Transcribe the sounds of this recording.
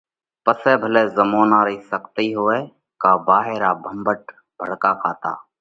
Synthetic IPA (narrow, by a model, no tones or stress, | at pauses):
pəsɛːbʱəleːzəmoːnaːɾəɦisəkt̪iɦoːɛː | kaːbaːɦeːɾaːbʱə̃mbəʈ̚ | bʱəɽkaːkʰaːt̪a̰ː